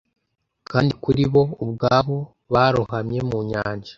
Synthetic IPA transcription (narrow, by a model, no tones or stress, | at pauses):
kaːndikuɾiβo̞ubɡaːβo̞ | βaːɾuhamɲe̞muɲaːɲd͡ʒḁ